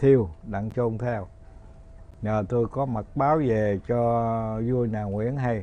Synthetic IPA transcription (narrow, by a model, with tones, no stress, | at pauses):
t̪ʰi˧əwɗa̰˧˨ŋt͡ɕo˧ŋ͡mt̪ʰɛ˧w | ɲəː˨˩t̪o˧jkɔ˨˦mə˨˩t̚ɓaː˨˦wve˨˩t͡ɕɔ˧zu˧əjnaː˨˩ŋwḭ˧˥ənɦa˧j